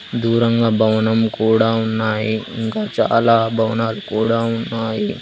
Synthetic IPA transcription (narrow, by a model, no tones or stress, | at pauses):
d̪uːɾɐŋɡaːbʱɐʋɐnɐmkuːɽaːunːaːjiiŋkaːt͡ʃa̰ːlaːbʱɐʋɐnaːlukuːɽaːunːaːji